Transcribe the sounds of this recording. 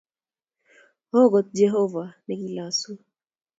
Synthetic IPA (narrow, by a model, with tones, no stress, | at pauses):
hɔ˦ɡɔ˨t̪̚d͡ʒɛ˦ɦɔ˦va˨nɛ˦˨ki˦la˨su˦